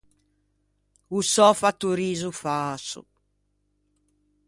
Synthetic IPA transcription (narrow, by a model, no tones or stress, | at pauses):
usɔfat̪ːuɾiːzufaːsṵ